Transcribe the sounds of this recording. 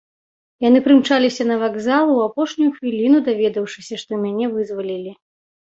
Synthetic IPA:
janɨpɾɨmt͡ʂalʲisʲɐnɐvaɡzalˠuwapɔʂnʲujuxvʲilʲinud̪avʲɛd̪ɐwʂɨsʲɐʂt̪ɔmʲanʲɛvɨzvalʲilʲi

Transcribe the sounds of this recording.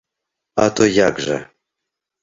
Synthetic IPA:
at̪ʰojaɡʐa̰

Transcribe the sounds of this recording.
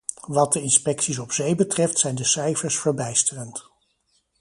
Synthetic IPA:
ʋɑt̚dəɪnspɛksis̬ɔpsejbətrɛftsɛjndəsɛjfəɹsfəɹbɛjstərənt

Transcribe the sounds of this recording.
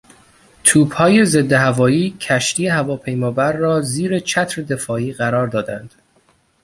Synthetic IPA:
t̪ʰuːbhɒːje̞ze̞d̪ːehævɒːiːcʰæʃt̪iːehævɒːpʰejmɒːbæɾːɒːziːɾe̞t͡ʃʰæt̪ʰɾed̪e̞fɒːiːɣæɾɒːɾd̪ɒːd̪ænd̪̥

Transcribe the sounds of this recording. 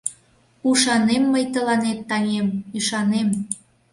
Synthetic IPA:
uʃɑnemːəjt̪əlɑnet̪ːɑŋemyʃɑnem

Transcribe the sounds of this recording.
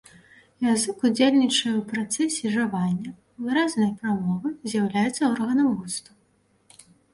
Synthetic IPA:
jazɨkud͡zʲelʲnʲit͡ʂɐjɛwpɾat̪sɛsʲɛʐavanʲːɐ | vɨɾaznɐjpɾamɔvɨzʲjawlʲajɛt̪sːɐɔrɣɐnɐmɣust̪ɐ

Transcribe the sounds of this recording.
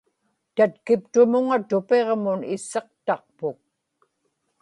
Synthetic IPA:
t̪at̪kɪpt̪ʊmʊŋat̪ʊpe̞ʁmʊnɪsːeq̚t̪ɑq̚pʊk̚

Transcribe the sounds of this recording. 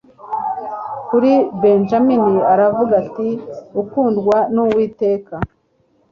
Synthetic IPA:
kuɾibenʒaminiaɾavuɡatiukuːndɡwanuwiːte̞ːka

